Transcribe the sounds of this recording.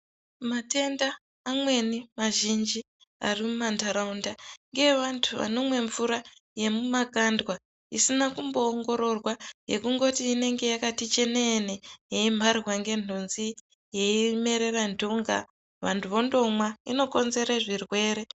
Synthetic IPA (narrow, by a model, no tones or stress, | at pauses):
mate̞ndaː | mwe̞nimaʒind͡ʒi | a̰rimumantaɾaundaŋɡe̞ʋantʰuʋa̰no̞mwe̞ɱvuɾaje̞mumakandwa | isinakumbo̞ːŋɡo̞ɾo̞rwaje̞kuŋɡo̞tiːne̞ŋɡe̞jakatit͡ʃe̞neːnejeimbʱarwaŋɡe̞n̥̤unzi | je̞ime̞ɾe̞randuŋɡa̰ | ʋantʰuʋo̞ndo̞mwaino̞ko̞nze̞ɾaʐirwe̞ːɾe̞